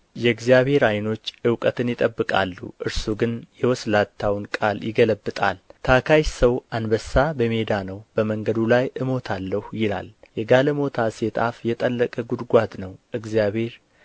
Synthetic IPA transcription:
jɛɨɡzijaβhe̞ɾajno̞t͡ʃːɨwkʼət̪ʰɨnjɪt̪ʼəbːɨkʼa̰lːṵʔɨɾsuɡɨnjɛwɔslat̪ʰːawnkʼaljɪɡələbːɨt̪ʼa̰lt̪ʰakʰajsəwʔanbəsːabəmed̪anəwb̥əməŋɡəd̪ulajʔɨmo̞t̪ʰalːəhujɪla̰ljɛɡaləmo̞t̪ʰaset̪ʼafjɛt̪ʼəlːəkʼəɡud̪ɡʷad̪nəwʔɨɡzijaβhe̞ɾ

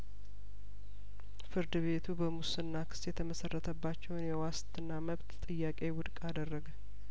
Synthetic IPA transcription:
fɨɾd̪ɨβe̞t̪ʰubəmusɨnːakʰɨ̥sjɛt̪ʰəməsərːət̪ʰəbːat͡ʃːɛwnjɛwast̪ɨnːaməβt̪t̪ʼɨjːakʼe̞wʊd̪kʼad̪ərːəɡ

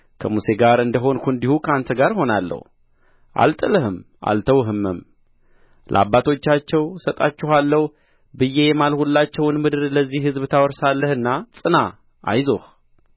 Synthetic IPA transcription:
kʰəmuse̞ɡaɾɨnd̪əɦo̞nkʰund̪ihukʰəant̪ʰəɡaɾho̞nalːə̰h | ʔa̰lt̪ʼɨləhɨm | ʔa̰lt̪ʰəwɦɨmːɨm | lə̰ʔa̰bːat̪ʰo̞t͡ʃːat͡ʃːɛwsət̪ʼa̰t͡ʃːɪhalːəhu | bɨjːe̞jɛmalhulːat͡ʃːɛwnmɨd̪ɨɾləzːihhɨzbt̪ʰawɔɾsalːəhɨnːasʼɨna | ʔa̰jzo̞h

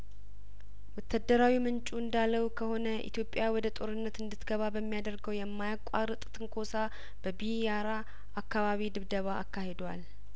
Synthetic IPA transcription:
wɔt̪ʰːad̪ːəɾawimɨnt͡ʃʼuɨnd̪alːəwkʰəho̞nəʔḭt̪ʰjo̞pʼːjawɔd̪ət̪ʼo̞ɾɨnːət̪ɨnd̪ɨt̪ɡəβabəmːijad̪əɾɡəwjɛmːajakʷʼaɾɨt̪ʼt̪ʼɨŋkʰo̞sa | b̥əbijjaɾa | ʔakʰːaβaβid̪ɨβd̪əβa̰ːkʰːahed̪wa̰l

